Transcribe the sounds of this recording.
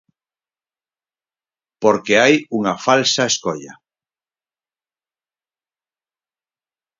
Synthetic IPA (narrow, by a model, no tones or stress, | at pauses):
poɾkeajuŋafalsaeskoʎa̰